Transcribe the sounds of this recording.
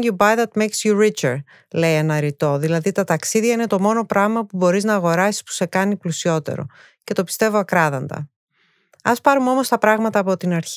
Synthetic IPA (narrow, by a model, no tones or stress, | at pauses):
jubɐjðɐt̪mejksjuɾit͡ʃɐɾ | le̞jɐnɐɾit̪o̞ðilɐðit̪ɐt̪ɐksiðʝɐine̞t̪o̞mo̞no̞pɾɐɣmɐpubo̞ɾiznɐːɣo̞ɾɐsi̥spu̥se̞kɐniplusio̞t̪e̞̰ɾo̞̰ | ce̞t̪o̞pi̥st̪e̞voɐkɾɐðɐnd̪ɐ̰ | ɐ̰spɐɾumo̞mo̞st̪ɐpɾɐɣmɐt̪ɐːpot̪inɐɾç